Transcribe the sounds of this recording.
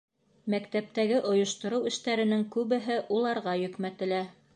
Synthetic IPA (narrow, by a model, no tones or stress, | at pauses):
mækt̪æp̚t̪æɡɘʔŏjŏʃt̪ŏɾɤwɘ̆ʃt̪æɾɘ̆nɘŋkʉβɘ̆ɦɘʔulˠɑɾʁɑjɵ̆kmæt̪ɘ̆læ